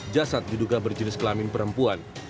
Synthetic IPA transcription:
d͡ʒasat̪̚diduɡabərd͡ʒənɪskəlamɪnpəɾəmpuan

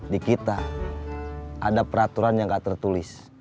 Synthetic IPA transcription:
dikit̪a | ʔa̰dapəɾat̪uɾanjaŋɡat̪ərt̪ulɪs

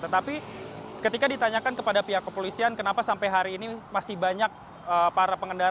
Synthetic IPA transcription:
t̪ət̪apikət̪ikadit̪aɲakankəpadapiɦakːəpolisiankənapasampajɦaɾiːnimasɪhbaɲak̚ | əpaɾapəŋəndaɾ

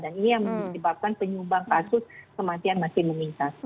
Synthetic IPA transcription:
daninijaŋməŋsəbap̚kanpəɲubaŋkasʊskəmat̪ianmasɪməmint̪a

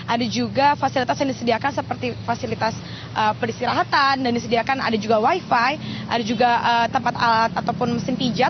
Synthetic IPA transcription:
ʔadad͡ʒuɡafasilit̪asjaŋdisədiakansəpərt̪ifasilit̪as | ʔəpəɾist̪iɾaɦat̪andandisədiakana̰dad͡ʒuɡawajfajʔadad͡ʒuɡaʔət̪əmpat̪alat̪at̪awpʊnməsɪmpid͡ʒa

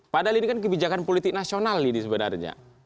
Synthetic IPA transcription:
padaɦalinikankəbid͡ʒakanpolit̪ɪk̚nasionalːinisəbəna̰rɲa̰

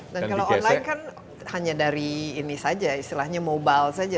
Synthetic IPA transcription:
dankalawɔnlaɪnkan | haɲadaɾiːnisad͡ʒaist̪ilahɲamobalsad͡ʒa

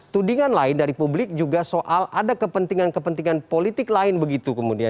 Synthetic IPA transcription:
t̪udiŋanlaɪndaɾipublɪk̚d͡ʒuɡasoʔaladakəpənt̪iŋankəpənt̪iŋanpolit̪ɪklaɪnbəɡit̪ukəmudia

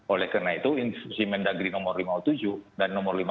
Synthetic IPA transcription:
ʔolɛhkərnait̪uinsusimɛndaɡɾinɔmɔrlimaut̪ud͡ʒuhdanːɔmɔrlim

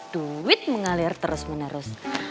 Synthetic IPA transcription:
d̪̥uwɪt̪̚məŋalɪrt̪əɾʊsmənəɾʊs

